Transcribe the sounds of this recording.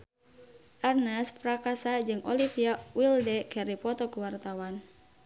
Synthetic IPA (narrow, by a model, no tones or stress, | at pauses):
ʔarnɛspɾakasad͡ʒɨŋʔɔlifiawildɛkɛɾipɔt̪ɔkuwart̪awan